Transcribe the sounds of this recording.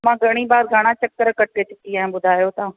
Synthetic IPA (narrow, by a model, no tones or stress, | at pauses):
mãːɡʱɐɽ̃iːbaːd̪ɡʱaɽ̃ãːt͡ʃəkːəɾkəʈ̚ket͡ʃʊkiaːẽɓʊd̪ʱaːjoːt̪aː